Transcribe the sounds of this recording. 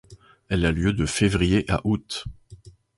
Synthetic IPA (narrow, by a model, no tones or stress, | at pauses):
ɛlaljød̪əfevʁijeʔa̰ʔut̪